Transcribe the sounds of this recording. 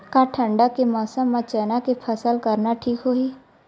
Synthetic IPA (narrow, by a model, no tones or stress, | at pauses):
kaʈʰə̃ɳɖakemɔːsəmːãt͡ʃɛːnakepʰəsəlkəɾnaʈʰiːkɦoːiː